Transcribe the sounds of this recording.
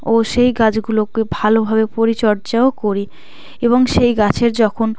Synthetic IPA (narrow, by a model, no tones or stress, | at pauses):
oʃejɡad͡ʑɡulokebʱalobʱabepoɾit͡ɕɔɾt͡ɕaokoɾi | eβoŋʃejɡat͡ɕʰeɾd͡ʑɔkʰon